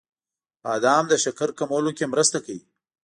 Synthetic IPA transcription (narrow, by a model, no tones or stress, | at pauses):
ɑd̪ɑːmd̪əʃakaɾkamawlokemɾəst̪akawi